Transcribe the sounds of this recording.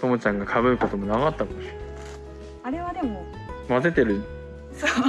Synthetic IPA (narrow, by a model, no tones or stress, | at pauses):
t̪omot͡ɕãŋɡakʰaβɯ̟ɯ̟kat̪o̞mo̞naɣat̪ːakamoɕi̥na | aɾe̞βad̪e̞mo | maze̞t̪e̞ɾɯ̟ | so